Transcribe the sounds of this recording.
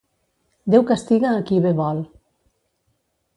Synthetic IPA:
d̪ewkast̪iɣaːkiβeβɔl

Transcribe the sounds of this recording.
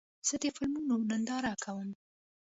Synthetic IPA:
z̥əd̪əfɪlmunonənd̪ɑɾakʰawəm

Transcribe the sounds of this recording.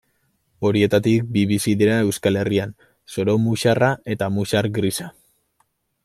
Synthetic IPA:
o̞ɾie̞t̪at̪ik̚biβisiðiɾae̞wskale̞rian | so̞ɾomuʃarae̞t̪amuʃaɾɡɾisa

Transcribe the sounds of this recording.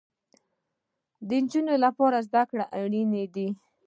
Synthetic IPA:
d̪ənd͡ʒunolapɑɾazd̪akɽaʔaɽined̪i

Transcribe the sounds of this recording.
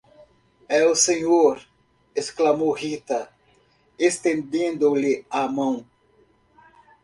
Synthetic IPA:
ɛʊseɲoɾ | esklamowhit̪ɐ | est̪ẽnd̪ẽnd̪ʊlɪamɐ̃w̃

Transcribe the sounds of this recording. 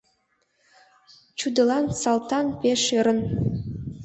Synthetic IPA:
t͡ɕud̪ɤ̆lˠɑnsɑlˠt̪ɑnpʲeʃeɾə̆n

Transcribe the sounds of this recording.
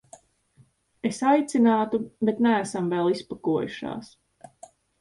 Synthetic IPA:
esajt̪sinaːt̪ubet̪nææsamvɛlˠispakuɔjuʃa̰ːs

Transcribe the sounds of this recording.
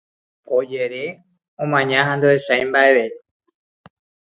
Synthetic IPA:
od͡ʒeɾe | õmãɲãɦãnd̪oeʃajmbaeβe

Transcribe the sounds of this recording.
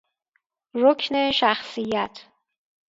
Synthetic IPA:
ɾokʰneʃæxsijæt̪ʰ

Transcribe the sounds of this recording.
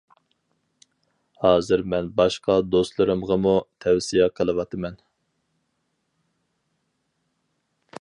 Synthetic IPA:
hɑːzɨɾmɛnbɑʃqɑd̪ost̪lˠɨɾɨmʁɑmut̪ʰɛwsijɛqʰəlˠɨwɑt̪ʰɨmɛn

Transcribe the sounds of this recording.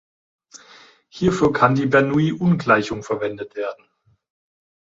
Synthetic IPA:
hiːɐfyːɐkʰandiːbɛɐnuiːʔʊnɡlaɪçʊŋfɛɐvɛndətv̥eːɐdn̩

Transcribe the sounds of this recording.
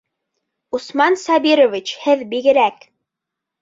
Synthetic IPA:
usmɑnsɑbiɾovʲit͡ɕhɘðbiɡɘ̆ɾæk

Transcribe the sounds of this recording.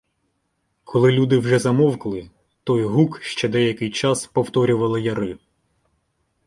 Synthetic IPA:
kʰɔlˠɪlʲud̪ɪwʒɛzɐmɔwklˠɪ | t̪ɔjɦukʃt͡ʃɛd̪ɛjɐkɪjt͡ʃɑspɔwt̪ɔɾʲʊʋɐlˠɪjɐɾɪ

